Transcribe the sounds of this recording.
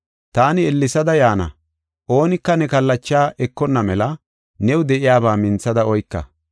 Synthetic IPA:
t̪aːnɪɛlːɪsɐd̪ɐjaːnɐ̰ | ʔo̞ːnɪkːɐnɛkɐlːɐt͡ʃːaːʔɛkːɔnːɐmɛlɐ | nɛwʊd̪ɛʔɪjaːbaːmɪnt͡sːɐd̪ɐɔjkːɐ̰

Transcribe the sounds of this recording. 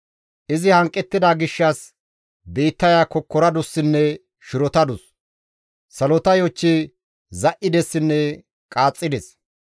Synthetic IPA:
ʔɪzɪhɐŋkʼːɛt̪ːɪd̪aːɡɪʃːɐs | beːt̪ːɐjaːkɔkːɔɾɐd̪ʊsːɪnːɛ | ʃɪɾɔt̪ɐd̪ʊs | sɐlɔt̪ɐjɔt͡ʃːɪ | zɐʔɪd̪ɛsːɪnːɛ | kʼaːt͡sʼːɪd̪ɛs

